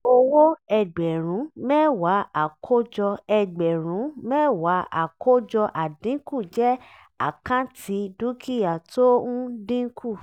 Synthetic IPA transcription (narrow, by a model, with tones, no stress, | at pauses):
o˧wo˦ɛ˧˨ɡ͡bɛ˨ɾ̃ũ˨˦mɛ˦˨wa˨˦a˨kʰo˦d͡ʒɔ˧ɛ˧ɡ͡bɛ˨ɾ̃ũ˨˦mɛː˦˨wa˨˦a̰˨kʰo˦d͡ʒɔ˧ʔa˨dĩ˨˦ku˦˨d͡ʒɛ˦ | a̰˦˨kã˦tʰi˨˧˦du˦ki˦ja˨tõ˦dĩ˦kʰu˦˨